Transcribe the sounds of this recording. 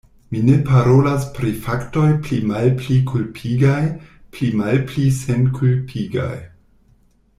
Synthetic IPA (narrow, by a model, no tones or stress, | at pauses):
mine̞paɾolaspɾifakto̞jplimalplikʰulpʰiɡajplimalplisenkʰulpʰiɡa̰j